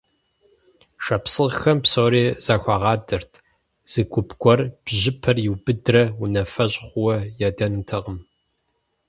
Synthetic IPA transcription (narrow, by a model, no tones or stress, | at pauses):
ʂɐpsɨʁxɐmpsoːɾeːz̥ɐxʷɑʁɑːdɨrtʰ | z̥ɨɡʷʊpʰɡʷʰʼɔrb̥ʑɪpʰɐrjɪwbɨdrɐwʊnɐfɐʑʼχʷʊwɐjadɐnuːtʰɐʁəm